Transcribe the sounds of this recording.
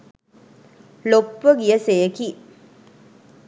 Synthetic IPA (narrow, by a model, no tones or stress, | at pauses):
lopːəɡijɐsejəki